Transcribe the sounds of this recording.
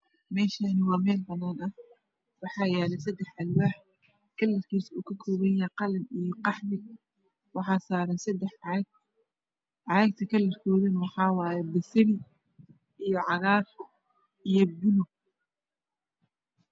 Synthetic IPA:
mɛːʃanɪwɑːmɛːlbɐnːaːnɐh | wɑħɑːjɛːlɛjsɐd̪ɛħʔɐlwaːħ | kʰɐlːɐrkʰiːsuːkʰɐkʰɔːβɐjɛqɑlɐmijɞqɑħmɪɡ | wɑħɑːsaːɾɐnsɐd̪ɛħɡ | ʕɑɛɡ̚t̪ʰɐkʰɐlːɐrkʰɔːðɐnwɑħɑːwɑːjɛbɐsɪɾɪ | ijɔʕɑɣaːr | ijɔbʊlʊ

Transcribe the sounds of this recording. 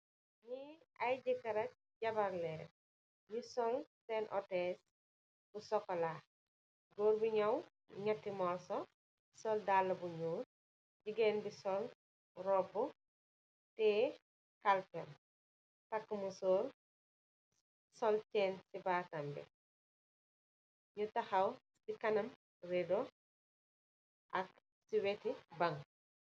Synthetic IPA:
ɲi | ɐjɟikɐɾɐk̚ | ɟɐbɐɾlɛ | jisɔlsɛnʔɔtɛs | busɔkːɔla | ɡoːɾbiɲɐw | ɲɐtːimɔsɔ | sɔldalːɐbuɲuːɾ | ɟiɡɛːnbisɔl | rɔbːu | tɛː | kɐlpɛn | tɐkːɐmusɔːl | sɔlt͡ʃɛːnsibaːtɐmbɛ̰ | ɲutɐxɐw | sikɐnɐm | rɛdɔ | ʔɐk̚ | siwɛtibɐŋ

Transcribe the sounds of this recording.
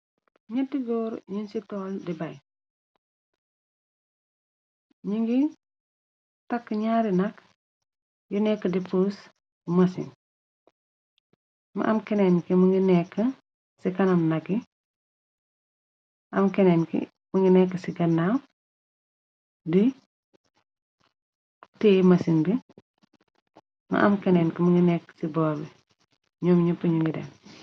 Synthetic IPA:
ɲɐtːiɡɔɾɲinsitɔːldibɐj | ɲiŋɡi | tɐkːəɲaːɾinɐk | junɛkːədipus | mɐsḭn | mɐ̰ʔɐmkenɛnkimuŋɡinɛkːə | sikɐnɐmnɐɡi | ʔɐmkɛnɛnkḭ | mɐŋɡinɛkːəsiɡɐnːam | di | teːmɐsinbi | mɐ̰ʔɐmkɛnɛːnkimɐŋɡinɛkːsibɔːbi | ɲɔmɲupiɲuŋɡidɛ̰n

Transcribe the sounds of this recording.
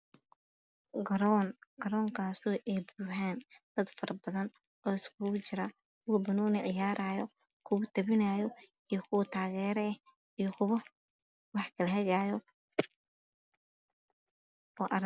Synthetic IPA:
ɡɐɾnɡɐɾɔːŋkʰaːsɔːʔɛːbuɦaːnd̪̥ɐd̪fɐrɐbɐðɐn | ɔːɪskʰʊɣʊt͡ʃɪɾaː | kʰʊwbɐnɔːnɪʕɪjaːɾʔaːjɔ | kʰʊwʊt̪ʰɐβɪnaːjɔ | ijɔkʰʊwɐt̪ʰaːɣɛːɾɛɛ | ijɔkʰʊβɐ | wɑħkʰɐlɐɦɐɣaːjɔ | ɔːʔɐɾ

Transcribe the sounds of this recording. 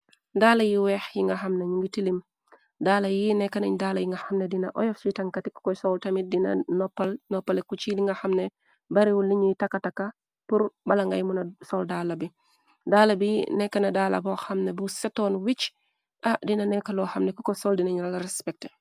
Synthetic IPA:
dalajiwɛːxjiŋɡaxɐmneɲuŋɡitilim | daːlajinɛkːanɐɲdalajiŋɡɐxɐmnedinɐ̰ʔɔ̰jɔfsitaŋkatikkːɔsoltamidinɐ̰nɔpːalnɔpːalekut͡ʃiliŋɡaxamne | baɾiwulːiɲujitakːatakːa | puɾbalaŋɡajmunasoldalabi | daːlabinɛkːanadaːla̰boxɐmnebusetoːnwit͡ʃ | ʔadinɐnɛkaloxɐmnekukosoldinaɲulalaɾɛspɛk̚te̥

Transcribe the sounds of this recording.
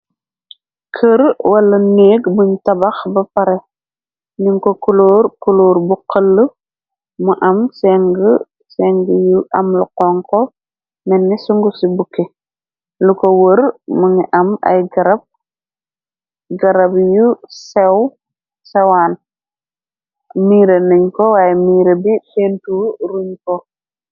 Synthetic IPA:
kʰəɾwɐlɐneːɡbuɲtɐbɐxbɐpɐɾɛ | niŋkɔkuloːɾkuloːɾbuqəlːə | muʔɐmsɛŋɡə | sɛŋɡəjuʔɐmluqɔŋkɔ | mɛnːɛsuŋɡusibukːe | lukowəɾmuŋiʔɐmɐ̰jɡɐɾɐb̚ | ɡɐɾɐbjusew | sewaːn | miːɾenəɲkowaːjemiːɾebifentuːɾuɲko

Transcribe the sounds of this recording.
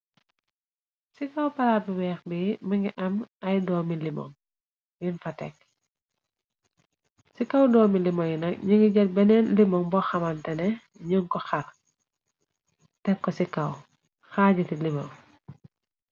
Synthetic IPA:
sikɐwpɐlaːt̚bibɛːxbimiŋɡiʔɐmɐjdɔːmilimɔ̰ŋ | jinfɐtɛ̰k̚ | sikɐwdɔːmilimɔŋjinɐkɲiŋɡiɟɐt̚bɛnɛnlimɔŋbɔxɐmantɛnɛ | ɲəŋkɔxɐr | tɛkːɔsikɐw | xaːɟitilimɐ̰w

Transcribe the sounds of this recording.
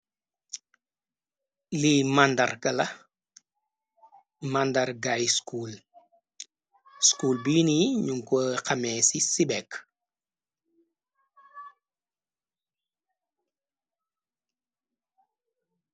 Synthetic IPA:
limandɐɾkɐlɐ | mandaɾɡajskuːl | skuːlbiːniɲuŋkoqɐmɛːsisibɛk

